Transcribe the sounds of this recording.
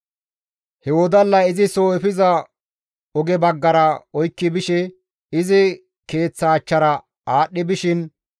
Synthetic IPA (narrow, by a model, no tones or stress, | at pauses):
hɛwɔd̪ɐlːɐɪzɪsoːɛfɪzɐ | ɔɡɛbɐɡːɐɾɐɔjkːɪbɪʃɛ | ɪzɪ | ke̞ːt͡sːɐːt͡ʃːɐɾɐ | aːɗːɪbɪʃɪn